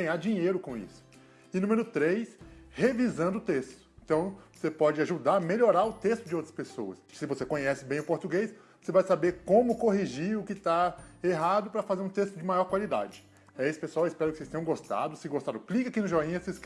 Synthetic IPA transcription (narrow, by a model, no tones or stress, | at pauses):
ɐ̃j̃aɾd͡ʒĩɲejɾʊkõḭsʊ̥ | ɪnũmeɾʊt̪ɾejshevizɐ̃nd̪ʊt̪est̪ʊ̥ẽt̪ɐ̃w̃osepɔd͡ʒɪaʒud̪aɾmeʎoɾaɾʊt̪est̪ʊd͡ʒɪowt̪ɾɐspesowɐssɪvosekõɲɛsɪbẽj̃ʊpoɾt̪uɡejsvosevajsabeɾkõmʊkoɦiʒiɾʊkɪt̪aeɦad̪ʊpɾɐfazeɾũt̪est̪ʊd͡ʒɪmajɔɾkwalid̪a̰d͡ʒɪ | ɛesɪ̥peswawɪspɛɾʊkɪsest̪ẽj̃ɡost̪a̰d̪ʊsɪɡost̪aɾʊ̃klikakinʊʒɔĩses